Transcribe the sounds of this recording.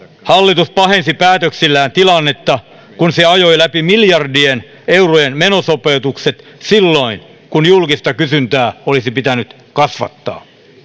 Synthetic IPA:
hɑlːit̪uspɑhensipæːt̪øksilːæːnt̪ilɑnːet̪ːɑ | kunseɑjoilæpimiljɑrdien | eurojenmenosopeut̪ukset̪silːoin | kunjulkist̪ɑkysynt̪æːolisipit̪ænyt̪ | kɑsʋɑ̰t̪ːɑ̰ː

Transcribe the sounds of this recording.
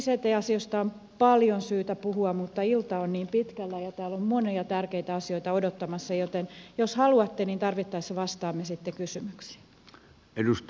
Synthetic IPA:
set̪eiɑsiost̪ɑom | pɑljonsyːt̪æpuhuɑmmut̪ːɑilt̪ɑonniːmpit̪kælːæjɑt̪æːlommoniɑt̪ærkeit̪æɑsioit̪ɑodot̪ːɑmɑsːɑjot̪enjoshɑluɑt̪ːeniːnt̪ɑrʋit̪ːɑisʋɑst̪ɑːmːesit̪ːekysymyksi̥ː | edust̪

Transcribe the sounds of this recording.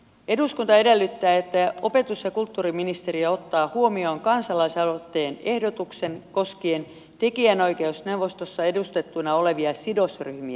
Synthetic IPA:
e̞duskunt̪ɑe̞delːyt̪ːæːet̪ːæo̞pe̞t̪usjɑkult̪ːuːriminist̪e̞ɾiæo̞t̪ːɑːhuo̞mio̞ːŋkɑnsɑlɑisɑlot̪ːeːne̞hdot̪ukse̞nko̞skie̞n | t̪e̞kiæno̞jke̞usne̞wʋo̞st̪osːɑe̞dust̪e̞t̪ːunɑo̞le̞ʋiɑsidosryhmiæ

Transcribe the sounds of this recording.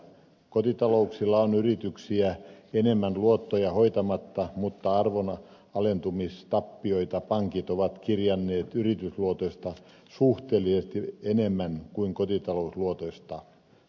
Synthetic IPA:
kot̪it̪ɑlouksilːɑonyrit̪yksiæenemːænluot̪ːojɑhoit̪ɑmɑt̪ːɑmut̪ːɑɑrʋon | ɑlent̪umist̪ɑpːioit̪ɑpɑŋkit̪oʋɑt̪kirjɑnːeːt̪yrit̪ysluot̪oist̪ɑ | suht̪eːlːˑisest̪ienemːænkuiŋkot̪it̪ɑlousluot̪oist̪ɑ

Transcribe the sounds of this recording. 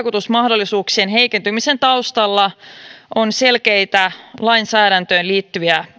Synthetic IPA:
kut̪usmɑhdo̞lːisuːksienɦe̞jke̞nt̪ymise̞nt̪ɑwst̪ɑlːɑʔonse̞lke̞jt̪ælɑjnsæːɾænt̪øːnliːt̪ːyjæ

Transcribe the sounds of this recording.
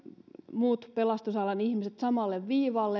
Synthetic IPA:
muːt̪pelɑst̪usɑlɑnihmiset̪sɑmɑlːeʋʋiːʋɑlːe

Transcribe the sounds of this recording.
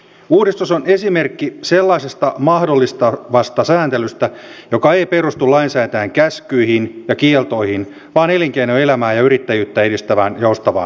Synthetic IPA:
uːdist̪usone̞sime̞rkːiselːɑisest̪ɑmɑhdolːist̪ɑʋɑst̪ɑsæːnt̪elyst̪æjo̞kɑe̞jpe̞rust̪ulɑinsæːt̪æːŋkæskyihinjɑkielt̪o̞ihin | ʋɑːne̞liŋkeinoe̞læmæːjɑyɾit̪ːæjyːt̪ːæedist̪æʋæːnjoust̪ɑʋɑ̰ːn

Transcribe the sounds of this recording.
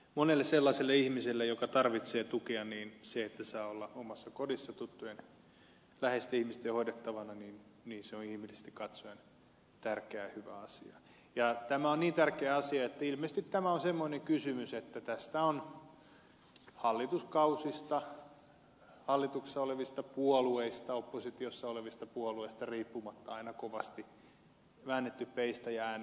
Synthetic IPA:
monelːesselːɑselːeihmiselːejokɑt̪ɑrʋit̪seːt̪ukeɑniːnseet̪ːæsɑːolːɑomɑsːɑkodisːɑt̪ut̪ːujen | læhest̪æihmist̪ehoidet̪ːɑʋɑnɑniːnniːnseonihmilise̥st̪ikɑt̪soen | t̪ærkeæhyʋæ̰ɑsiɑ | jɑt̪æmæonniːnt̪ærkeæɑsiɑet̪ːæilmeːsest̪it̪t̪æmæõnsemːoineŋkysymyset̪ːæt̪æst̪æon | hɑlːit̪uskɑusist̪ɑ | hɑlːit̪ukssːɑoleʋist̪ɑpuolueist̪ɑopːosit̪iosːɑoleʋist̪ɑpuolueist̪ɑriːpːumɑt̪ːɑɑinɑkoʋɑst̪i | ʋæːnːet̪ːyppeist̪æjæːn

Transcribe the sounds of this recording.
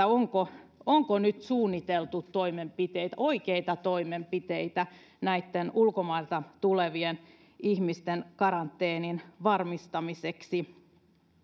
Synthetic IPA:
oŋkooŋkonyt̪suːnːit̪elt̪ut̪toimempit̪eit̪æoikeit̪ɑt̪oimempit̪eit̪æ | næit̪ːenulkomɑilt̪ɑt̪uleʋien | ihmist̪enkɑɾɑnt̪ːeːninʋɑrmist̪ɑmiseksi

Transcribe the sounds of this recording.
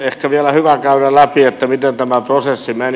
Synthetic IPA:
ehkæʋiælæhyʋækɑynɑlæpiet̪ːæmit̪ent̪æmæprosesːimen

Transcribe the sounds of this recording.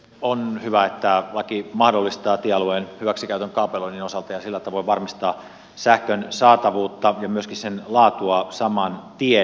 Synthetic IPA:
onhyʋæet̪ːælɑkimɑhdolːist̪ɑːt̪ieɑlueːnhyʋæksikæyt̪øŋkɑˑupeloininosɑlt̪ɑjɑsilːæt̪ɑʋoiʋɑrmist̪ɑː | sæhkønsɑːt̪ɑʋuːt̪ːɑjɑmyøskissenlɑːt̪uɑsɑmɑnt̪ie

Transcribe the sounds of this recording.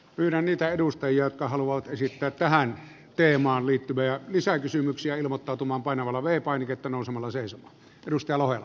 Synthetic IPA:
pyːɾænniːt̪æeɾust̪ɑjiɑjot̪̚kɑhɑluʋɑʋɑt̪esit̪ːæːt̪t̪æhæn | t̪eːmɑːnliːt̪ːyʋæjɑlisækysymyksiæilmot̪ːɑˑut̪umɑːmpɑˑinɑʋɑlːɑʋeˑipɑˑiniket̪ːænoˑusemɑlːɑseˑisomˑɑː | eɾust̪ɑjɑlohelːɑ

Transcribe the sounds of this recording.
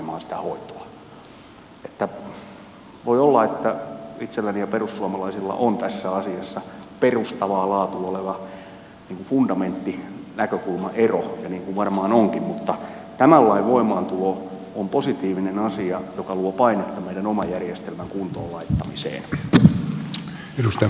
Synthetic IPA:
mɑːnsi̥t̪æhoit̪o̥ɑ̥ | e̥t̪ːæ | ʋoiolːɑet̪ːæit̪selːænijɑperussuɑmɑlɑisilːɑ̰ʔont̪æsːæɑsiɑsːɑperust̪ɑʋɑːlɑːt̪uoleʋɑ | niːŋkufundɑment̪ːinækøkulmɑʔerojɑniːŋkuʋʋɑrmɑːnoŋkimmut̪ːɑ | t̪æmælːɑiʋʋoimɑːnt̪ulo | omposit̪iːʋinenɑsiɑjokɑluɑpɑinet̪ːɑmmeiɾænomɑjjærjest̪elmæŋkunt̪oːlɑit̪ːɑmisḛːn | edust̪

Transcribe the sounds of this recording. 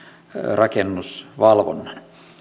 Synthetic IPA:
rɑkenːusʋɑlʋo̰nːɑn

